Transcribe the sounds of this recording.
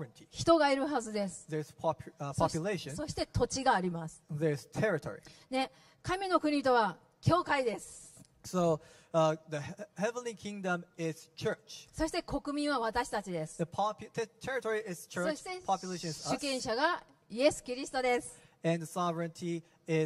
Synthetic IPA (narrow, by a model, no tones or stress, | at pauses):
ɹɨ̃ntʰiçi̥t̪o̞ɡaiɾɯ̟ɦazɨd̪e̞sɨ̥ðə˞z̥pʰɑppʰoɑpjɨleɪʃɨ̃so̞ɕi̥t̪e̞t̪ʰo̞t͡ɕiɡaːɾʲimasɨ̥ðə˞z̥tʰɛɹɨtʰɔ̰ɹḭne̞ | kamʲino̞kɯ̟ɲ̟it̪o̞βa | kʲo̞ːkaid̪e̞sɨ̥ | soʊ | ðɨhɛvə̃nlikʰɪ̃ŋdə̃mɪz̥t͡ʃʰɜ˞t͡ʃso̞ɕi̥t̪e̞kʰo̞kɯ̟mʲĩɰ̃βaβat̪aɕi̥t̪at͡ɕid̪e̞sɨ̥ðəpʰɑpʰtʰɛɹɨtʰɔɹiɪz̥t͡ʃʰə˞spʰɑpjleɪʃɔ̃nzɕɨkẽ̞ɰ̃ɕaɡa | ie̞sɨ̥kʲiɾʲisɨ̥t̪o̞d̪e̞sɨ̥ɨ̃nðəsɑvɹɨ̃ntʰi | ɪ